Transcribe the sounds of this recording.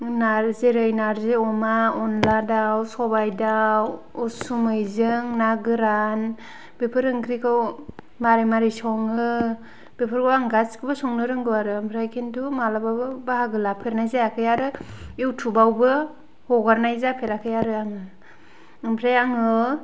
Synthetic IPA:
naɾzeɾɯjnaɾzeɔmaɔnladawsɔbajdaw | ɔsumɯjzɯŋnaɡɯɾan | b̥epʰɯɾɯŋɡɾikʰɯw | maɾimaɾisɔŋɯ | b̥epʰɯɾɡɯwaŋɡaskɯbɯsɔŋnɯɾɯŋɡɯwaɾɯɯmpʰɾajkʰentumalabawbɯbahaɡɯlapʰeɾnajzajakʰɯjaɾɯewtʰubawbɯ | hɔɡaɾnajzapʰeɾakʰɯjaɾɯaŋɯ | ɯmpʰɾajaŋɯ

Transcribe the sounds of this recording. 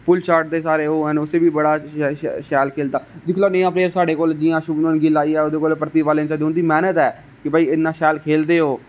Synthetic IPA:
pʊlʃaːɾʈ̚d̪eːsaːɾeːoːɦənʊseːʋiːbəɽaːʃɛːlkʰeːld̪aːd̪ɪkʰloːnəãːpɾeːɾsaːɖeːkoːld͡ʒɪjãːʃʊbnonɡɪlaːiːɛːoːd̪eːkoːlpɾət̪iːʋaːlẽːt͡ʃad̪ɦʊ̃nd̪iːmɛːnət̪ɛː | kɪbaːiːɪnːãːʃɛːlkʰeːld̪eːɦoː

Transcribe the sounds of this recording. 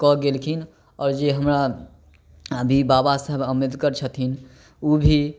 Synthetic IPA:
kɔɡelkʰin | ɔːɾd͡ʒeɦəmɾa | əbʱibabasəɦbʱəmid̪kəɾt͡ʃʰət̪in | ubʱi

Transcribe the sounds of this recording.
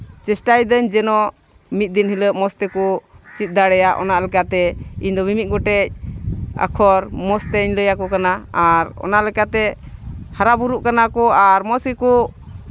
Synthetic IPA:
t͡ʃɛsʈajd̪əɲd͡ʒɛnɔ | mit̪̚d̪inhiləp̚mɔst̪ɛkɔt͡ʃit̪̚ˀd̪aɽɛjaʔɔ̰naʔlɛkat̪ɛiɲd̪ɔmimit̪̚ˀɡɔʈɛc̚a̰kʰɔɾmɔst̪ɛɲləjakɔkanaaɾɔ̰naʔlɛkat̪ɛhaɾabuɾuʔkanakɔaɾmɔsikɔ

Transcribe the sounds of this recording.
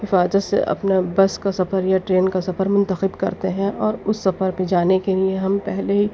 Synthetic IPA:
hɪfaːzət̪sḛʔɐ̰pnabɐskasɐfəɾjaʈɾeːnkasɐfəɾmʊ̃nt̪əxɪbkɐ̰ɾt̪eɦɛ̃ʔɔːɾʊsːɐfəɾped͡ʒaːnekelieɦɐmpɛɦleɦi

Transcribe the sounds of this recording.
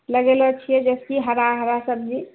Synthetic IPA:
ləɡelɔt͡ʃʰijɛd͡ʒɛskiɦəɾaɦəɾasəb̚d͡ʒi

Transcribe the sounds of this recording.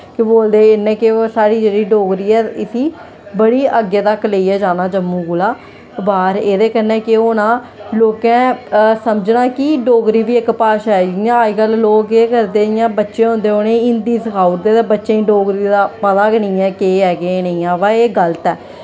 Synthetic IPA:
kɪboːld̪eːɪnːẽːkeosaːɽiːd͡ʒeːɽiːɖoːɡɾiːɛːɪsiː | bəɽiːʔəɡeːt̪akːleːiɛːd͡ʒaːnaːd͡ʒəmːũːɡulaː | baːɾeːd̪eːkənɛ̃ːkɪoːnãː | loːkɛ̃ːsəmd͡ʒnaːkɪɖoːɡɾiːʋiːɪkpaːʃaːɛɡɪãːiɡəlloːkeːkəɾd̪eːɪjãːbətːʃẽːɦõːnd̪eːoːnẽːɪ̃nd̪iːsəkʰaːʊɾd̪eːt̪eːbətːʃẽːĩːɖoːɡɾiːd̪aːpət̪aːkɪnĩːɛːkeːɛːɡeːnəĩːãːʋaːeːɡələt̪ɛː

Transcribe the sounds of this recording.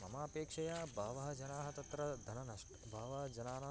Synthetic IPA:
mɐmaːpeːkʂɐjaːbʱaːʋɐɦɐd͡ʒɐnaːɦɐt̪ɐt̪ɾɐd̪ʱɐnɐnɐʃʈ | bʱaːʋɐɦɐd͡ʒɐnaːnɐ

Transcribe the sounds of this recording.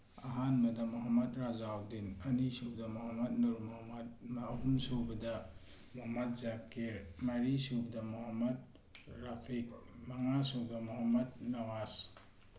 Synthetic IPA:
aɦanmɐdɐmuɦamɐtɾazaːwdinɐnisubdɐmuɦamɐt̚nuɾmumɐd̚maːɦumsobɐdɐ | muɦɐmɐt̚zakeɾmɐɾisubɐdɐmuɦamɐd̚ | ɾapʰik̚maŋasobamuɦamɐd̚nɐwas

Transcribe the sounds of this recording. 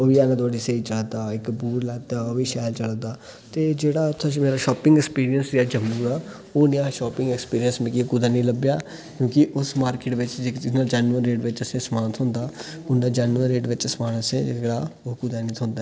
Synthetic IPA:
oʋiːaːnãːt̪oːɖiseiːt͡ʃəld̪aːɪkbuːɾlɛːt̪aːoːiːʃɛːlt͡ʃəld̪aː | t̪eːd͡ʒeːɽaːt̪ʰːãmeːɾaːʃɔːpɪŋɡɛkspiːɾijənsɾiaːd͡ʒəmːuːɾaː | oːnɪãːʃɔːpɪ̃ŋɡɛkspiːɾiənsmekikud̪aːnĩːləbjaː | kjõːkɪʔʊsmaːɾkeːʈʋɪt͡ʃd͡ʒeknaːd͡ʒaːnuəɾːeːʈʋɪt͡ʃəsẽːsmãːnt̪ʰɦõːnd̪aː | ʊnːaːd͡ʒaːnuəɾːeːɖʋɪt͡ʃsmaːnəsẽd͡ʒɽaːoːkud̪aːnĩːt̪ʰɦõːnd̪a

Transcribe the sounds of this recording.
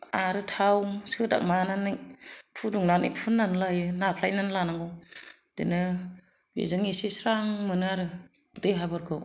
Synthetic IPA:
aɾɯtʰawsɯda̰k̚mananɯpʰuduŋnanipʰunːanlajɯnakʰlajnanlanaŋɡɔ | d̥ḛnɯ | bḛzɯŋisisɾaŋmɯnɯaɾɯ | dejɦabɯɾkʰɯw

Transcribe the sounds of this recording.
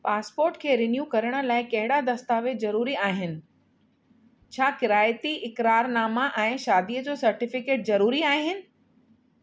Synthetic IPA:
paːspoːɾʈkʰeːɾɪnjuːkɐɾəɽ̃ə̆laːɪkɐɦɪɽad̪ɐst̪aːʋezɐɾuːɾiaːɦɪnɪ̆ | t͡ɕʰaːkɪɾaːjt̪iɪkɾaːɾnaːmaʔɛ̃ːʃaːd̪ijəd͡ʑoːsɐɾʈɪfɪkeːʈ̚zɐɾuːɾiaːɦɪnɪ̆

